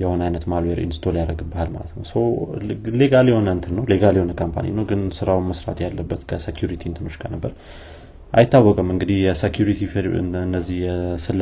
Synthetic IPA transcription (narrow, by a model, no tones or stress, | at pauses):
jɛho̞najnət̪malweɾʔḭnsɨ̥t̪ʰoljaɾəɡɨbːahalma̰lət̪nəwsəwle̞ɡaljɛho̞nənt̪ʰɨnːəwle̞ɡaljɛho̞nəkʰompʰa̰nḭnəwɡɨnsɨɾawməsɾa̰t̪jalːəbːət̪kʰəsekʰjuɾit̪ʰint̪ʰɨmɨʃkʰanəbːəɾ | ʔajɪt̪ːawːɔkʼəmɨŋɡɨd̪ihjɛsekʰjuɾit̪ʰifɾɨ̰nːəzːihjɛsɨlː